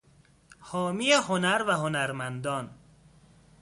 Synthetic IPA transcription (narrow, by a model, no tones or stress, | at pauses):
hɔːmijeɦonæɾvæɦonæɾmænd̪ɒn